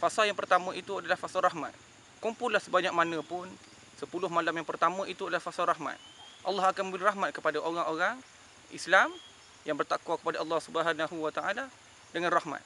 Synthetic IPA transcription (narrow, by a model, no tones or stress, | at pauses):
fasaljaŋpərt̪amə̃it̪uadalahfasalrɑhma̰t̪̚ | kumpʊlahsəbaɲak̚manə̃pʊn | səpulʊhmalamjaŋpərt̪amə̃ʔit̪uadalahfasalɾɑɦma̰t̪̚ʔɑlːɑɦakanmə̃mbəliraɦmat̪̚kəpadaʔoɾaŋoɾaŋ | ʔḭslam | jaŋbərt̪akwakə̥padaɑlːɑhsubəɦanaɦuwat̪aʔala | dəŋanrɑhma̰t̪̚